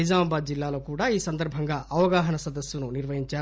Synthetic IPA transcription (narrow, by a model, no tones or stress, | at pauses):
izaːmɐbaːd̪̚d͡ʒilːaːlo̞ːkuːɽaːiːsɐnd̪ɐɾbʱɐŋɡaːʔɐʋɐɡaːɦɐnɐsɐd̪ɐsjununiɾʋɐɦiɲt͡ʃaː